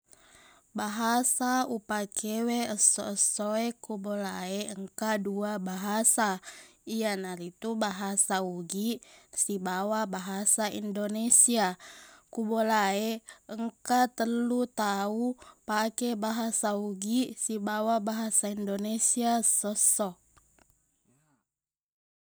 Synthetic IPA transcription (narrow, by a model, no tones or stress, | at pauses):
baɦasaupakʰeweəsɔ̰əsoekubolaeəŋkaduabaɦasaianaɾit̪ubaɦasauɡisibawabaɦasaḭndonesiakubolaeəŋkat̪əlut̪aupakɛbaɦasauɡisibawabaɦasaindonesiasːɔsɔ